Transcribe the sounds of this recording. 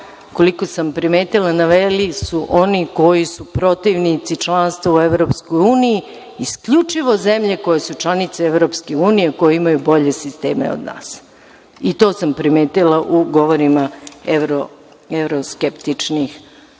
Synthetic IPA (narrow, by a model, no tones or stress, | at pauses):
ko̞liko̞sampɾimeːt̪ilˠanaʋelisuʔo̞niko̞jisupɾo̞t̪iʋnit̪sit͡ʃlˠanst̪ʋaueʋɾo̞psko̞juːnijiː | skʎut͡ʂiʋo̞ze̞mʎe̞ko̞je̞sut͡ʃlˠanit̪seeʋɾo̞pske̞uːnijeko̞jeimajubo̞ʎe̞sist̪eːmḛo̰d̪na̰ːs | it̪o̞ːsampɾime̞ːt̪ilaʔuɡo̞ʋoɾimaeʋɾo | evɾoskept̪it͡ʂnix